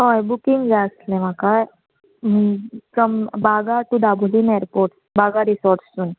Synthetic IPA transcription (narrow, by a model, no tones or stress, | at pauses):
ɦoebukiŋɡd͡zaslẽm̤akaj | fɾɔmbaɡaʈuɖabʱulineɾpoɾʈsbaɡaɾisɔɾʈssuːn